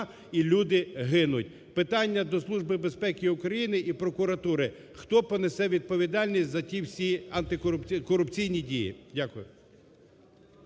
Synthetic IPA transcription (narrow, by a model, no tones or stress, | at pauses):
ilʲud̪ɪɦɪnʊt̚ʲ | pɪt̪ɑnʲːɐd̪ɔslˠuʒbɪbespɛkʲiʊkɾɐjinɪʔipɾɔkʊɾɐt̪uɾɪ | xt̪ɔpɔnesɛʋʲid̪̚pɔʋʲid̪ɑlʲnʲisʲzɐtʲiwsʲiɐnt̪ɪkɔʊpʲkɔɾʊpt͡sʲijnʲidʲijḭdʲakʊjʊ